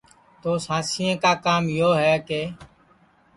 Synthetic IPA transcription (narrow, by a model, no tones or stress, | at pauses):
t̪oːsãːsɪẽːkaːkaːmjoːɦɛːkeː